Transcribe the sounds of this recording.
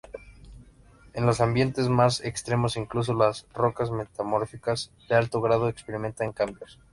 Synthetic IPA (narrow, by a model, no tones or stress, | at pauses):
e̞nlo̞sambje̞nt̪e̞zmasekst̪ɾe̞mo̞siŋklus̬o̞lasro̞kazme̞t̪amoɾfikazd̪ealt̪o̞ɣɾað̞oekspe̞ɾimẽ̞nt̪aŋkambjo̞s